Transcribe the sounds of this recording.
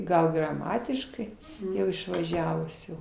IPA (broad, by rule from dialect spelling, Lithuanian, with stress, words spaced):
ˈɡɐlˠ ɡrɐˈmɑːtʲɪʃkɐɪ ˈjɛʊ ɪʃʋɐˈʒʲæːʋʊs jɛʊ